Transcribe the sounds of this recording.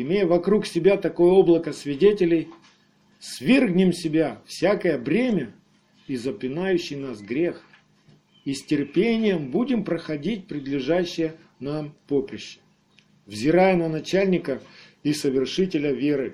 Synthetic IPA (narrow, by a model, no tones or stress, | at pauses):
ɪmʲejəvɐkɾuksʲɪbʲat̪ɐko̞jəo̞blˠəkəsʲvʲɪdʲetʲɪlʲɪj | svʲerɡnʲɪmsʲɪbʲafsʲakəjəbɾʲemʲə | izəpʲɪnajʉɕːɪjnasɡɾʲe̞x | isʲtʲɪrpʲenʲɪjəmbudʲɪmpɾəxɐdʲit̚ʲpɾʲɪd̪lʲɪʐaɕːɪjə | nampo̞pɾʲɪɕːɪ̥ | vzʲɪɾajənənɐt͡ɕælʲnʲɪkə | isəvʲɪrʂɨtʲɪlʲəvʲe̞ɾɨ